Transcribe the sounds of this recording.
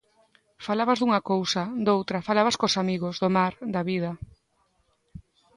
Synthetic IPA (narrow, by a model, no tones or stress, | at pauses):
falaβazðuŋɐkowsɐd̪owt̪ɾɐfalaβɐskosamiɣozðomaɾd̪ɐβið̞ɐ